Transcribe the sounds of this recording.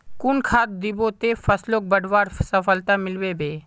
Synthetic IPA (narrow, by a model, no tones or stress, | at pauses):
kʊnkʰaːt̪̚d̪ɪbot̪efʰəsloːk̚bəɽʱʋaːɾsəfəlt̪amɪlʋeːbeː